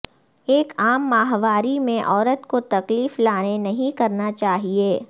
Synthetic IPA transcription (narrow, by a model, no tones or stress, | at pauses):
eːkaːmːaːɦʋaːɾimẽʔɔːɾət̪kot̪ɐkliːflaːnenɐɦĩkɐɾnat͡ʃaːɦieː